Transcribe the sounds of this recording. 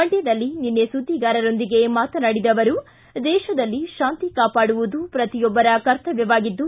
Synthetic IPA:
ɐɳʈjɐd̪ɐlːininːesud̪ʱːiɡaːɾɐɾo̞nd̪iɡe̞maːt̪ɐnɐɽid̪ɐʋɐɾu | d̪ɛːʃɐd̪ɐlːiʃaːnt̪ikaːpaːɽuʋud̪upɾɐt̪ijɔbːɐɾɐkɐɾt̪ɐʋjɛʋaːɡid̪ːu

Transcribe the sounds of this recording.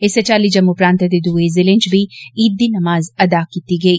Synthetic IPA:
ɪset͡ʃaːlid͡ʒɐmːupɾaːnt̪ed̪ed̪uːezɪlẽnd͡ʒbʱiiːd̪ːinɐmaːzɐd̪akiːt̪iɡɐiː

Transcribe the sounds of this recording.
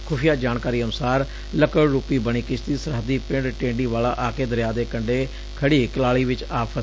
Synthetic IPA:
kʰʊpʰɪjaːd͡ʒaːnkaːɾiːənʊsaːɾ | ləkəɽɾuːpiːbəɽ̃iːkɪt͡ʃʰt̪iːsəɾɦəd̪iːpɪ̃ɳɖʈẽːɳɖiːʋaːlaːʔaːkeːd̪əɾjaːd̪eːkəɳɖeː | kʰəɽiːkəlaːɭiːʋɪt͡ʃaːpʰə

